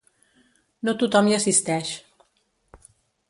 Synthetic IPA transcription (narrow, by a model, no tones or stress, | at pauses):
not̪ut̪ɒmiɒsist̪ɛːʃ